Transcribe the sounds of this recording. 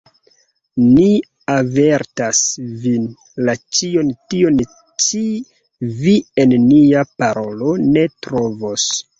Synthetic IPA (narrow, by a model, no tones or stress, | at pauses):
ni | ave̞ɾtasvin | lat͡ʃio̞ntio̞n | t͡ʃi | vie̞nːiapaɾo̞lo̞ne̞tɾo̞vo̞s